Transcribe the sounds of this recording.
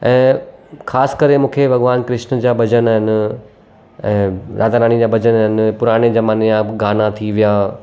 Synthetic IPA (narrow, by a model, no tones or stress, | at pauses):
ɛ̃ːkʰaːskɐɾemũːkʰebʱɐɡʋaːnkɾɪʃnd͡ʑaːbʱɐd͡ʑənɦɪn | ɛ̃ːɾʔaːd̪aɾaːñid͡ʑaːbʱɐd͡ʑənɦɪn̆pʊɾaːɽ̃ed͡ʑɐmaːnijãɡaːnat̪ʰiʋijaː